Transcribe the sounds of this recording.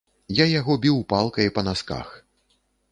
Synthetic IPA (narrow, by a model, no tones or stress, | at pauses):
jajaɣɔbʲiwpalˠkɐjipɐnaska̰x